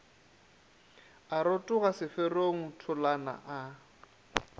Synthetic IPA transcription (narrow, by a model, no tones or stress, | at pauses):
aɾotʼʊɣasɪfɛroŋ̩tʰʊlana̰ʔa